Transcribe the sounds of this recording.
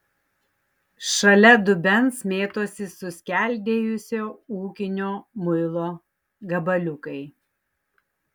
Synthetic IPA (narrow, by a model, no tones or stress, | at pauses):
ʃɐlʲɛd̪ʊbʲɛnsmʲeːt̪oːsʲɪsʊsʲkʲæˑlʲd̪ʲeːjʊsʲoːuːkʲɪnʲoːmʊɪlˠoː | ɡɐbɐlʲʊkɐɪ